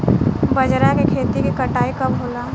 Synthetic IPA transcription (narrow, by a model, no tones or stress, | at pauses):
bɐd͡ʒɾakekʰeːt̪ikikɐʈaːikɐbɦoːlaː